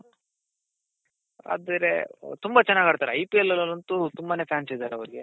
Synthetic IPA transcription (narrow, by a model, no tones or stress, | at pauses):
a̰ːd̪ɐɾet̪umbat͡ʃɛnːaːɡaːɽt̪aːɾeɐjpiɛlːɐlɐlɐnt̪ut̪umbaːne̞ːpjaːnsid̪aːɾeɐwɾiɡe